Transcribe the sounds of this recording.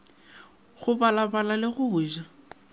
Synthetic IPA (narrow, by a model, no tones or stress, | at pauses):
ɣʊbalabalalɪɣʊːʒa